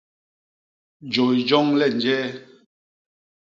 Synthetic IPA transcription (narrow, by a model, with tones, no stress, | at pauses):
d͡ʒo˨jd͡ʒɔ˦ŋlɛ˦˨nd͡ʒɛː˦